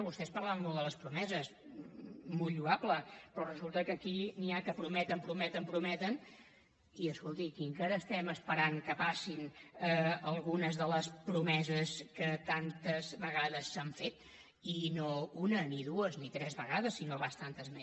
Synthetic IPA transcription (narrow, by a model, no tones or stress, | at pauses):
βust̪ɛspəɾlaβəmolˠd̪ələspɾumɛzəs | molʎuapləpɾɔrəzulˠt̪əkəkiniakəpɾumɛt̪əmpɾumɛt̪əmpɾumɛt̪ən | iəskolˠt̪ikiŋkaɾəːst̪ɛməspəɾaŋkəpasinəəlˠɣunəzðələspɾumɛzəskət̪ant̪əzβəɣaðəsːaɱfet̪ | inounəniðuəznit̪ɾɛzβəɣaðəsːinoβast̪ant̪əzme